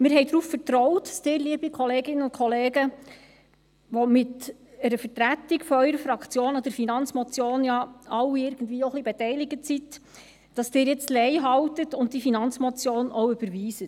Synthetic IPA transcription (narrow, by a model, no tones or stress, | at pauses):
mɪːɾɦɛɪdɾuːffəɾtɾɔwtdɑ̥sd̥ɪːɾliəbikʰɔleːɡɪnənʊntkʰɔleːɡə | ʋɔmɪt̪ | əɾəfəɾtɾætːikfɔœʏɾəfɾɑkt͡sjoːnɔd̥̪əɾfinɑnt͡smɔt͡sjoːnjɑɑwɪɾɡən̩dviːoχlibetɛɪlɪɡətsit | d̥ɑsd̥ɪːɾjɛt͡stlɛɪɦɑwtətʊntdifinɑnt͡smɔt͡sjoːnowʏb̥əɾviːsət